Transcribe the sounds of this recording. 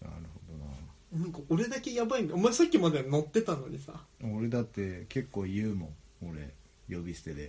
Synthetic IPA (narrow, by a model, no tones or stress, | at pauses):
na̰ɾɯ̟ho̞d̪o̞na | nɯ̃ŋkaʔo̞ɾe̞d̪ake̞jabaĩnɡaomaesakʲːimad̪ano̞t̪ːe̞t̪anoɲ̟isa̰oɾe̞d̪at̪ːe̞ke̞kːo̞ːjɯːmõoɾe̞̰ | jo̞bʲiɕi̥t̪ed̪e